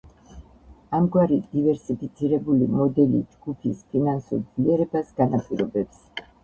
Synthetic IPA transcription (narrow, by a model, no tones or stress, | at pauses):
amɡwaɾid̪̥ivɛɾsipʰit̪sʰiɾɛbulimɔd̪ɛlḭd͡ʒɡupʰispʰinansṵɾd̪zliɛɾɛbasɡanapʼiɾɔbɛps